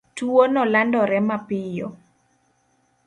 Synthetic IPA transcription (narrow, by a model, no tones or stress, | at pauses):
tuonɔlandɔɾɛmapɪjɔ